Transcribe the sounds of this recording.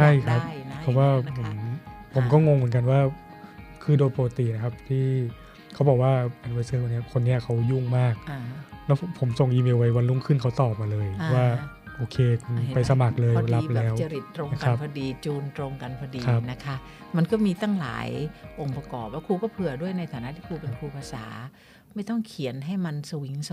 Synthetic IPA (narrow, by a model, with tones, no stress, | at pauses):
t͡ɕʰa˥˩jkʰa˦˥p̚ʰɔ˨˩waː˥˩ʔa˨˩m˦pʰo˩˦mkɔː˥˩ŋo˧ŋmɯː˨˩˦nk̬a˧nwaː˥˩ | kʰɯː˧doː˧jpo˧ka˧˩t̪i˨˩na˦˥kʰa˦˥p̚t̪ʰiː˥˩ | kʰa˦˥wbɔː˨˩k̚waː˥˩ʔa˧nwa˧sɤː˧˥˩kʰa˧nːi˥ɐ˨kʰo˧nːi˦˥ɐkʰa˦˥wju˥˩ŋmaː˥˩k̚lɛ˦˥wpʰo˩˦mso˨˩ŋʔiː˧meː˧wa˧jwa˧nluː˥˩ŋkʰɯ˥˩nkʰa˦˥wt̪ɔː˨˩p̚maː˧lɤː˧jʰɔ˧˥waː˥˩ | ʔoː˧kʰeː˧kʰu˧npa˧jsa˧ma˨˩k̚lɤː˧jla˦˧plɛː˨ɛː˦˥wt͡ɕa˧ɾi˨˩t̪ːɾo˧ŋ˦kka˧a˧˦pʰa˧diː˧t͡ɕuː˧nt̪ɾo˧ŋka˧npʰa˧diː˧kʰna˦˥kʰa˦˥ | ma˧nkɔː˥˩miː˧t̪a˥˩ŋla̰ː˨˩˦jʔo˨˧˩ŋpa˧kɔː˨˩p̚laː˥˩kʰuː˧kɔː˥˩pʰɯ˧˩ɐdu˥˩əjna˧jt̪ʰaː˨˩˦na˦˥ʔt̪ʰiː˥˩kʰuː˧pe˧nkʰuː˧pʰaː˧sa̰ː˩˦ | ma˥˩jt̪ɔ˥˩ŋkʰi˨˩˦ənɦa˥˩jma˧nsa˧wi˨˦ŋs